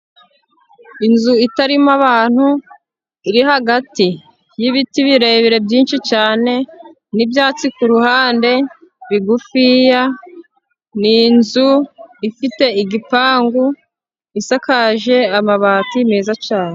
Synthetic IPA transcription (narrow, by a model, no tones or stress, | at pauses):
inzuitaɾimaβaːn̥hu | iɾiɦaɡati | jiβitiβiɾe̞βiɾe̞bjiːnʃit͡ʃaːne̞ | nibjaːt͡sikuɾuhaːnde̞ | βiɡufija | ninzuifite̞iɡipaːŋɡu | isakaʒe̞amaβaːtimeːzat͡ʃaːne